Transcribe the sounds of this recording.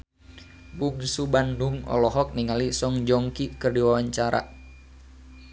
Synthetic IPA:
buŋsubanduŋɔ̰lɔɦɔk̚niŋalisɔŋd͡ʒɔŋkikərdiwawaɲt͡ʃaɾa̰

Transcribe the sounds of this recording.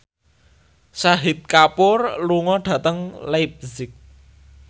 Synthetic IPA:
saɦɪt̪̚kapʊrluŋɔɖ̥ä̤t̪əŋlajp̚zɪk̚

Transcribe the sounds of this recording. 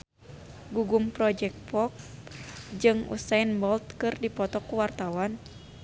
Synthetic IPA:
ɡuɡumpɾɔd͡ʒɛk̚t̪̚pɔk̚ | d͡ʒɨŋṵsainbɔlt̪̚kɨrdipɔt̪ɔkuwart̪awan

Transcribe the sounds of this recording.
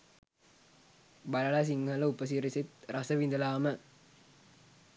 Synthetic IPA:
bɐlɐlɐs̬iŋːɐlɐupɐs̬iɾisit̪ɾʔɐsɐʋind̪ɐlaːmɐ

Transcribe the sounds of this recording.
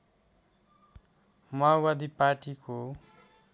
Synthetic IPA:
mʌawad̪iparʈiko

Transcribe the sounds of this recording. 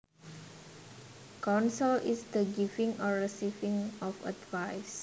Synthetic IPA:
kɔ̃nsəlʔisd̪əɡivĩŋɔɹisivĩŋɔfa̰dvajs

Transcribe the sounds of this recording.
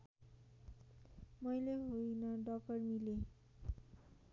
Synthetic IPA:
mʌjleɦojnʌɖʌk̚ʌrmile

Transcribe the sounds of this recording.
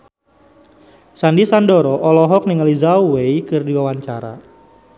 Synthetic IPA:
sandisandɔɾɔʔɔlɔɦɔk̚niŋalizawejkɨrdiwawaɲt͡ʃaɾa̰

